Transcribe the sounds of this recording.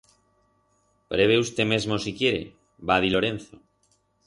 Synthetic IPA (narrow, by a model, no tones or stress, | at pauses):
pɾeβeust̪e̞mezmo̞sikje̞ɾḛ | bað̞iloɾen̟θo